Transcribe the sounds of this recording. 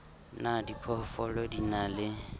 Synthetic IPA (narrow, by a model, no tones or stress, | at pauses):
nadipʰɔfɔlɔdinalɪ